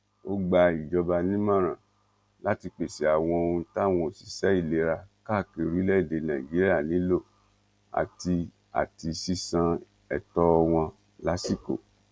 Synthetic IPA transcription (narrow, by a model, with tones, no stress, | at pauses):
o˦ɡ͡ba˧i˨d͡ʒɔ˧ba˧nĩ˦mã˦˨ɾ̃ã̰˨ | la˦ti˧k͡pe˨sɛ˨˦a˦˨w̃ɔ̃˧o˧ɾũ˧ta˦˨w̃ɔ̃˧o˨si˨sɛ˨˦i˦˨le˨˦ɾa˧ka˦˨ke˧ɾi˦lɛ˦i˦˨de˨˧nã˨i˨d͡ʒi˨˦ɾi˦a˦˨nĩ˨˦lo˦˨ | a̰˨ti˧ | a̰˨ti˧si˦sã˧ | ɛ˨tɔ˦˧w̃ɔ̃˧ | la˨˦si˦˨ko̰˨